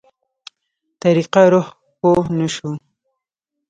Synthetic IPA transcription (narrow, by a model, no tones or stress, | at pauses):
t̪aɾiqaɾʊh | ponaʃu